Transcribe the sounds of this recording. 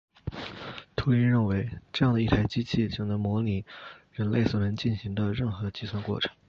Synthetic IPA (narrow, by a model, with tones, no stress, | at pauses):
t̪ʰu˧˥i˥nɻə˥˩nwe˧˥ɪʈ͡ʂɤ˥˧jɑ˥˩ŋd̪ə˩i˥˩t̪ʰa˧˥ɪt͡ɕi˥t͡ɕʰi˥˩t͡ɕjo˥˩nɤ˧˥mwɔ˧˥li˨˩˦ɻə˧˥nle˥˩ɪsɔ˨˩ɻə˧˥nt͡ɕi˥˩nɕi˧˥ŋd̪ə˧ɻə˥˩nxɤ˧˥˧t͡ɕi˥swa˥˧nkwɔ̰˥˩ʈ͡ʂʰɤ̥˧˥ŋ